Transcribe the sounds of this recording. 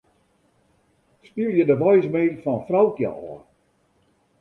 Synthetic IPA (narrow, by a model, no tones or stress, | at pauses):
spiəlˠjədəʋɔjsmeːdl̩fɔnfrawkjə̰ɔː